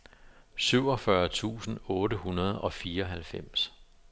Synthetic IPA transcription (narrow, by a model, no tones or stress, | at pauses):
syʊ̰ɒ̽fɶɐt͡sʰṵːsn̩ɔ̽ːɾəhunɐð̞̩ˠɒ̽fiːɐɒɦælfem̰s